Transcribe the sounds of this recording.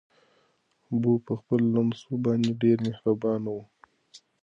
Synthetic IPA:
bupəxpəlːamsubɑneɖeɾmehɾabɑnawu

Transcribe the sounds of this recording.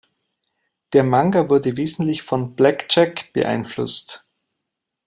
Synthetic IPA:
d̥eːɐmaŋɡavʊɐdəveːzn̩tlɪçfɔnb̥lɛkt͡ʃɛkb̥ə̰ʔa̰ɪnflʊ̰st

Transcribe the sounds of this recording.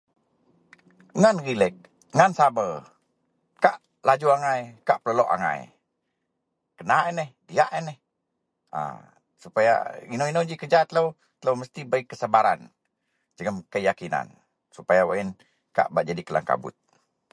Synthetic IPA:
ŋanɣilɛk̚ | ŋansabə | kaʔ | lad͡ʒuaŋajkaʔpələlɔʔa̰ŋa̰j | kənaɛnəhdiaʔɛnɛh | ə̰ | supaja̰inoinod͡ʒikəd͡ʒat̪ələw | t̪ələwməst̪ibaikːəsəbaɾan | d͡ʒəŋəmkəjakina̰n | supajawa̰in | ka̰ʔbaʔd͡ʒadikəla̰ŋka̰bʊ̰t̪̚

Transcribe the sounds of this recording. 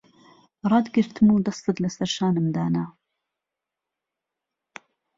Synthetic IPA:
rˤɑːd̪ɡɨɾt̪ʰɨmud̪ɑst̪ɨd̪lɐsɐɾʃaːnɨmd̪aːna

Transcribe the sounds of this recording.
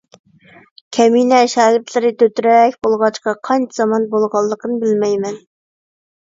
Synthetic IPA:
kʲʰɛminɛʃɑːkʲɪɾt̪ʰlɪɾɪt̪ʰøt̪yɾɛkʲbolˠʁɑt͡ʃqɑqʰɑnt͡ʃʰɛz̥ɑmɑnbolˠʁɑlˠːəqʰənɨbɪlmɛjmɛn

